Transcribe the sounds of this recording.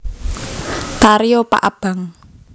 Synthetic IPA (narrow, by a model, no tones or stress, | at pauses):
t̪aɾijɔpa̰ʔab̥a̤ŋ